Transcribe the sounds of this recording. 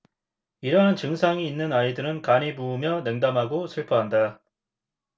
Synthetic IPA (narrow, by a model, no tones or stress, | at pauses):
iɾʌɦant͡ɕɯŋsʰaŋiːnːɯnaidɯɾɯnkaɲimuːmjʌnɯŋdamɦaɡosʰɯɭpʰʌɦanda